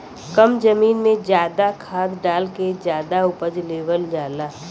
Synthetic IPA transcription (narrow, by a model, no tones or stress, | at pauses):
kəmd͡ʒəmiːnmẽd͡ʒjaːd̪akʰaːd̪ɖaːlked͡ʒjaːd̪aʊpəd͡ʒleːʋəld͡ʒaːlaː